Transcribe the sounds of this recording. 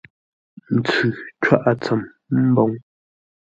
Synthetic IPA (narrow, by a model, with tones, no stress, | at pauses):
n̩˨t͡sʉ˨t͡ʃwa˦ʔa˨t͡sa˨m | m̩˦bɔ˦ŋ